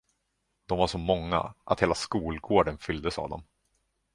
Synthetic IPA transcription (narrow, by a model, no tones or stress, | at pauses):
d̪ɔmvaʂɔmɔŋːa̰ʔa̰t̪heːlaskuːlɡoːɖənfʏld̪əsa̰vd̪ɔ̰m